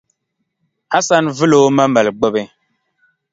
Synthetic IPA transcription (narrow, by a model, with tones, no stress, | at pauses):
a˦sa˦nvɨ˦lo˦mə˦mɛ˨lɡ͡bo˦be˦